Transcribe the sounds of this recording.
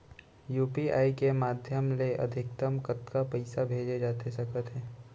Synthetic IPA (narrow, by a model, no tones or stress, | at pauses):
juːpia̰ːikemaːd̪ʱjəmleʔɐ̰d̪ʱɪkt̪əmkət̪kapɐɪsabʱeːd͡ʒed͡ʒaːt̪esɐkʰət̪ɦɛ̃ː